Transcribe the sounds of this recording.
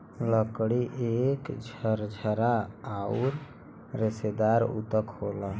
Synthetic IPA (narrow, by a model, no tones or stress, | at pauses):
ləkɽiʔekd͡ʒʱəɾd͡ʒʱəɾaauɾ | ɾesed̪aɾṵt̪əkholə